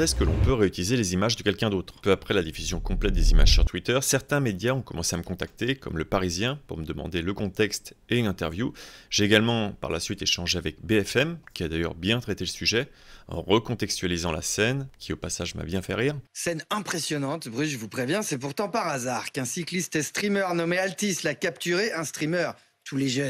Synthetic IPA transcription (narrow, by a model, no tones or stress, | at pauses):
ɛskəlɔ̰̃pøʁeyt̪ilizelezimaʒd̪əkʲɛlkʲɛ̃d̪ot̪χpøapχɛlad̪ifyzjɔ̃kɔ̃plɛt̪̚d̪ezima̰ʒsyʁt̪wit̪œʁsɛʁt̪ɛ̃med̪jaɔ̃kɔmɑ̃seaməkɔ̃t̪ak̚t̪ekɔ̰mləpaʁizjɛ̃puʁməd̪əmɑ̰̃d̪eləkɔ̃t̪ɛkst̪eynɛ̃t̪ɛʁvjuʒ̥eːɡalmɑ̃pa̰ʁlasɥit̪eʃɑ̃ʒeavɛkbeɛfɛmkʲiad̪ajœ̰ʁbjɛ̃t̪χɛt̪eləsyʒɛ | ɑ̰̃ʁəkɔ̃t̪ɛkst̪ɥalizɑ̃la̰sɛnkʲiopasaʒma̰bjɛ̃fɛ̰ʁiːʁsɛnɛ̃pχesjɔnɑ̃t̪bʁyʒəvupχevjɛ̃sɛpuʁt̪ɑ̃paʁazaʁkɛ̃siklist̪ɛst̪χimœʁnɔmealt̪islakapt̪yʁeʔɛ̃st̪χimœʁ | t̪ʰuleʒœn